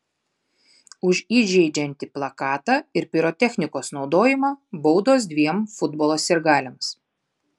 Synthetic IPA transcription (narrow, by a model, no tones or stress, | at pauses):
ʊʃiːʒʲɛɪd͡ʒʲɛnʲt̪ʲɪplˠɐkɑːt̪ɑɪɾpʲɪɾɔt̪ʲɛxʲnʲɪkoːsnɒʊd̪oːjɪmɑːbɔʊd̪oːs̬d̪ʲʋʲiɛmfʊd̪bɔlˠoːsʲɪɾɡɑːlʲɛms